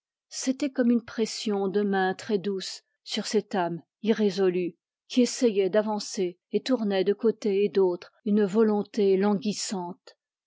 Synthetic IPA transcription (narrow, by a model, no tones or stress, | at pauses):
set̪ɛkɔmynpχɛsjɔ̃d̪əmɛ̃t̪χɛd̪usː | yʁsɛt̪am | iʁezɔly | kʲiesɛjɛd̪avɑ̃se | et̪uʁnɛd̪əkot̪eːd̪oːt̪χynvɔlɔ̃t̪elɑ̃ɡʲisɑ̃t̪